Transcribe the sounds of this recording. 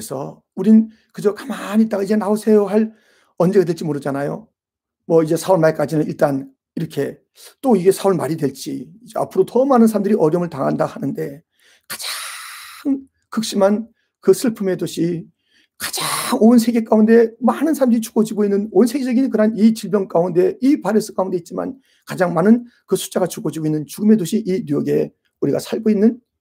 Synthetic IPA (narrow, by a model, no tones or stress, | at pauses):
ɯesʰʌ̰ | uɾin | kɯd͡ʑʌkamanit͈aɡaid͡ʑenaosʰejoɦaɭ | ʌnd͡ʑe̞ɡadwe̞ɭt͡ɕ͈imoɾɯd͡ʑanajo̰ | mwʌid͡ʑe̞sʰaoɭmaɭk͈ad͡ʑinɯniɭt͈an | iɾʌkʰe̞ | t͈oiɡe̞sʰaoɭmaɾidwe̞ɭt͡ɕ͈iid͡ʑea̰pʰɯɾotʌmanɯnsʰaɾamndɯɾiʔʌɾjʌmɯɭtaŋɦandaɡohanɯnde̞ | kḁd͡ʑa | ŋ | kɯk̚ɕ͈iman | kɯsʰɯɭpʰɯme̞doɕʰi | kḁd͡ʑaŋons̬ʰe̞ɡe̞k͈aunde̞manɯnsʰaɾamndɯɾit͡ɕu̥ɡ̥od͡ʑiɡoinːɯnonsʰe̞ɡed͡ʑʌɡinkɯɾanit͡ɕiɭbjʌŋk͈aunde̞ipaɾes͈ʰɯ̥k͈aunde̞it̚t͡ɕ͈ima̰n | kad͡ʑaŋmanɯnkɯsʰu̥t͡ɕ͈aɡat͡ɕuɡod͡ʑiɡoinːɯnt͡ɕuɡɯme̞doɕʰiʔinujʌɡe̞ | uɾiɡa̰sʰaɭɡoinːɯn